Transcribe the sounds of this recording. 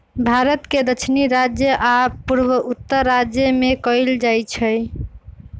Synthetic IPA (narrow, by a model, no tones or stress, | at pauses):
bʱaɾət̪ked̪ət͡ʃʰniɾad͡ʒjəʔapuɾwəut̪ːəɾːad͡ʒjəmekəɪld͡ʒajt͡ʃʰəj